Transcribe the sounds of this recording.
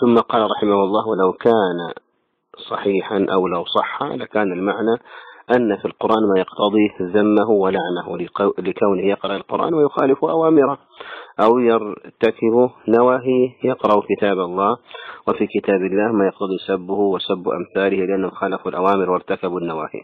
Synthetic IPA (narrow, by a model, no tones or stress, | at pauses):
θʊmːaqɑːlɾˤɑħɪmahʊlˤːɑːwalawkaːna̰ | sˤɑħiːħanʔawlawsˤɑħːa̰lakaːnalmaʕnaʔanːafilqʊɾˤʔaːnmaːjɑqt̪ɑd̪ˤizamːaɦʊwɪlaʕnahlɪkawnɪhjɑqɾˤɑʔɪlqʊ̰ɾʔa̰ːnmajʊxaːlɪfuʔawaːmɪɾa | ʔawjɪɾt̪akɪbunawaːɦiːjɪqɾɑʔkɪt̪aːbɑlˤːɑːwɪfikɪt̪aːbɪlːaːhmaːjɑqt̪ɑd̪ˤisabːʊhwɪsabːʔa̰mθaːlɪhlɪʔanːhʊmxaːlafalʔawaːmɪɾwɪɾt̪akabanːawaːhḭ